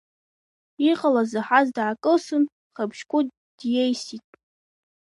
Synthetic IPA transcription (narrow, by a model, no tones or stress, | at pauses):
iqʼalazaħazdʕakʼɨsɨn | χabʒkʷʼu | d̥jejsitʼ